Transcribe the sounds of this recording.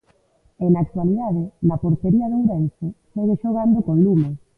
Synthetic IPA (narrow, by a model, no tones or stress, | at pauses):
enak̚t̪waliðað̞ɪnɐpoɾt̪eɾiɐðewɾɛnsɪseɣeʃoɣ̞and̪okoilume